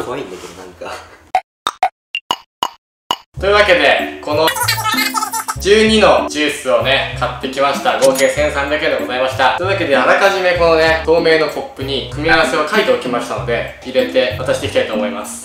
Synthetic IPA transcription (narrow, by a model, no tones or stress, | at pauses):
ɡoĩnːekoɾenãŋka | t̪oɯ̟βake̞d̪e̞ko̞no̞ | d͡ʑɨːɲ̟ino̞d͡ʑɨːsɨo̞ne̞kʰat̪ːe̞kʲimaɕi̥t̪aɡo̞ːke̞ːsẽɰ̃sãnd̪aked̪eɡo̞zaimaɕi̥t̪asond̪akʲed̪ehaɾakaʑime̞ko̞no̞ne̞d̪o̞ːme̞ːno̞kʰo̞pːɯ̟ɲ̟ikɯ̟mʲiaβase̞o̞kait̪e̞okʲimaɕi̥t̪ano̞d̪e̞ | iɾe̞t̪e̞at̪aɕi̥t̪ekʲit̪ait̪oːmo̞imasɨ̥